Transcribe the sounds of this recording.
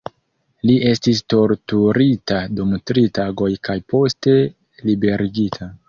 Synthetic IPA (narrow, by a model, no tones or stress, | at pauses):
liʔe̞stis̬to̞ɾtuɾitadumtɾitaɡo̞jkajpʰo̞ste̞ | libe̞ɾʔiɡitʰa